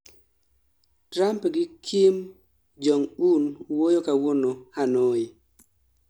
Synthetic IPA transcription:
tɾampɡɪkʰim | d͡ʒɔŋunwojokawonohanoi

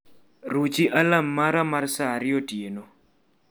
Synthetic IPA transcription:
rut͡ʃiʔalamːaɾamarsaɾɪɔtjeno

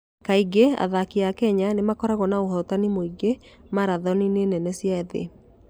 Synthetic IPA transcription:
kaiɡea̰ðakiakɛɲanemakɔɾaɣɔnaoɦɔtanimoiɡemaɾaðɔninenɛnɛsijaeðḛ

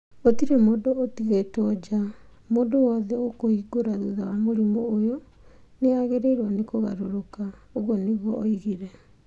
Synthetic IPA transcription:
otiɾɛmoːdootiɣetɔd͡ʑa | moːdowɔðɛokoiɡoɾaðuðawamoɾimɔːjɔ | neaɣeɾeɾwanekoɣa̰ɾoɾokaoɣwɔneɣwɔːiɣiɾɛ

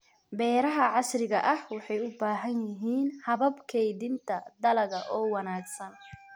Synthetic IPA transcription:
bɛːɾɐɦɐʕɑsrɪɣɐ̰ʔɐhwɑħɑjʊbaːɦɐnjɪɦiːnhɐβɐbkʰɛjðɪnt̪ʰɐd̪ɐlɐɣɐʔɔːwɑnaːɡsɐn

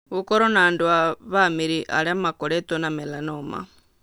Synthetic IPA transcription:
ukɔɾɔnandwaβamiɾiʔa̰ɺiamakɔɺɛt̪ɔnamɛlanɔːma̰

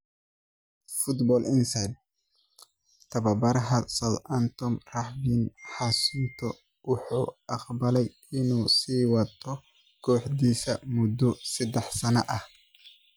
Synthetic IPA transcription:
fʊd̪bɔːlɪnsad̪ | t̪ʰɐbɐbɐɾɦɐsɐlʔɐnt̪ɔmrɐħbinħasʊnt̪ʰɔ | wʊħuːʔɑqbɐlɛj | ɪnusiːwɐt̪ʰːɔ | kʰɔːħd̪iːsɐmʊd̪ːɔsɐd̪ɛħsɐnɐʔɐh

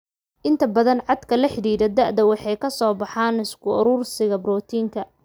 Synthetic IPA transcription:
ʔɪnt̪ʰɐbɐðɐnʕɑd̪kʰɐlɐħɪɽiːðɐd̪ɐʔd̪ɐwɑħɑjkʰɐsɔːbɑħaːnɪskʰʊʊɾuːrsɪɣɐbrɔːt̪ʰiːŋkʰɐ

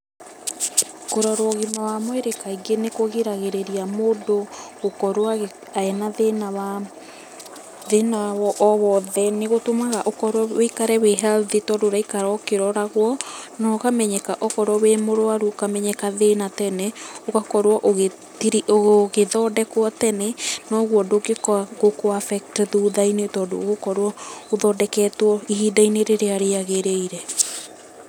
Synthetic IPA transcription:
koɾɔɾoɔɣimawamweɾekaiɡenekoɣeɾaɣeɾeɾiamoːdoɣokɔɾwa | aɛnaðenawa | ðenawɔʔɔβɔðɛneɣotomaɣaʔokɔɾwɔwekaɾɛweɦaðetɔdoɾaikaɾɔkeɾɔɾaɣwɔnɔkamɛɲɛkaʔɔkɔɾwɔwemoɾoaɾuokamɛɲɛkaðenatɛnɛokakɔɾwɔʔoɣe | tiɾioɣoɣeðɔdɛkwɔtɛnɛnɔɣwɔdoɡekɣokoafɛk̚tðuðainetɔːndo̰ɣokɔɾwɔoðɔːdɛkɛtwɔihidaineɾeɾeaɾeaɣeɾeiɾɛ

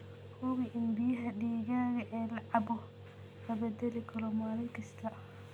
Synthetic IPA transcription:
hʊɣɪʔɪnbɪjɐɦɐɖiːɣaːɣɐʔɛːlɐʕɑbɔ | lɐbɐd̪ɛlɪkʰɐɾɔmaːlɪŋkʰɐst̪ʰɐ

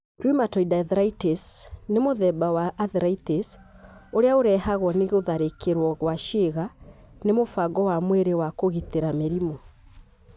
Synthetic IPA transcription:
tɾimatɔidaðɾaitesnemoðɛbawaʔaðɾaites | oɾeaoɾɛhaɣwɔneɣoðaɾekeɾwɔɣwaʃeɣa | nemofaɡɔwamweɾewakoɣiteɾameɾimɔ

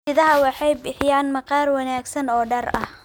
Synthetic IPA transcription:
ɪðɐɦɐwɑħɑjbɪħɪjaːnmɐqɑːrwɑnaːɡsɐnɔːɖɐrɐ̰h

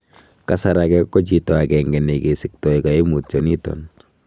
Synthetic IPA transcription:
kasaɾakɛkːɔt͡ʃitɔakɛŋɡɛnekesɪk̚tɔikaimut̚t͡ʃɔnitɔ̰n

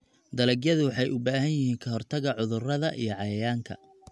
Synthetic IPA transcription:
d̪ɐlɛɡjɐðʊwɑħɑjʊbaːhɐnjɪhiːŋkʰɐɦɔrt̪ʰɐɣɐʕʊðʊrɐðɐʔijɞʕɑjɐjaːŋkʰɐ̰

